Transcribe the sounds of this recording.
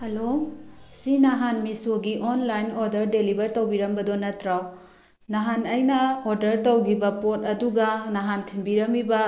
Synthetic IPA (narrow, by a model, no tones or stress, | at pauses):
hɐlosinaɦanmisoɡiʔonlajnoɾdɐɾdelibʱɐɾtowbiɾɐmbɐdonɐtɾaw | naɦanɐjnɐoɾdɐɾtɐwɡibɐpot̚ɐduɡɐnaɦantʰinbiɾɐmibɐ